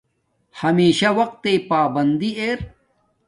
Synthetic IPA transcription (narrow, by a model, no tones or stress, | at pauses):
hɐmeːɕawɐq̚t̪ːepaːbɐnd̪ieːɾ